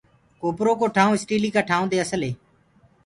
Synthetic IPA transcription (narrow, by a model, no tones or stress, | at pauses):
koːpɾoːkoːʈʰaːũːɪsʈiːliːkaːʈʰaːũːd̪eːəsəlɦeː